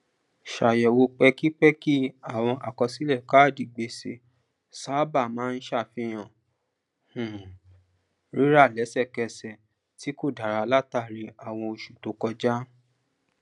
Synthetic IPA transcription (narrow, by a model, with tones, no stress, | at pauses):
ʃa˨jɛ˨wo˧k͡pɛ˧ki˦k͡pɛ˦ki˦a˦˨w̃ɔ̃˧ʔa̰˨kɔ˧si˦lɛ˦˨ka˦˨di˨ɡ͡be˧˨si˧˦ | sa˨˦ba˦˨mãː˨˦˧n̩˦ʃa˦˨fĩ˧j̃ã˨ | h̩˨ | ɾi˦ɾa˦˨lɛ˨˦sɛ˦˨kɛ˧sɛ˨ | ti˨˦ko˦˨da˨ɾa˨˦la˦ta˦˨ɾi˧a˨w̃ɔ̃˧o˧ʃu˨to˨˦kɔ˧d͡ʒa˦